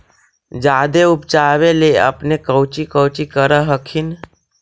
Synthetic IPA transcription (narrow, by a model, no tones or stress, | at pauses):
d͡ʒaːd̪eupt͡ʃaːʋeleə̰pnekəwt͡ʃikəwt͡ʃikəɾəɦəkʰin